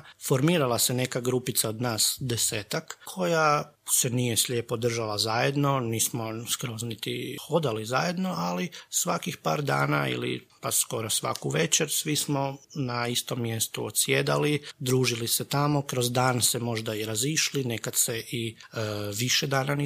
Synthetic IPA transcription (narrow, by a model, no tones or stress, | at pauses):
fo̞ɾmiːɾalˠasene̞kaɡɾupit̪sao̞d̪naːsd̪eseːt̪akkʰo̞ja | senijeslʲjeːpo̞d̪r̩ʒalˠazajed̪no̞niːsmo̞skɾoznit̪ixo̞d̪alizaje̞d̪noalisʋakixpa̰ːɾd̪a̰ːna̰ḭlḭpasko̞ɾosʋa̰kuʋe̞t͡ʃeɾsʋismo̞naist̪o̞mːje̞st̪uo̰t̪sjed̪a̰lid̪ɾuːʒiliset̪amo̞kɾo̞zd̪aːnse̞mo̞ʒd̪aiɾaziʃline̞kad̪seʔi | ʋiʃed̪aːnani